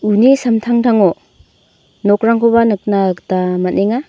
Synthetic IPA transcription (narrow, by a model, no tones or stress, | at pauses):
unisamtʰaŋtʰaŋo | nɔkɾaŋkʰobanɯk̚naktamatneŋa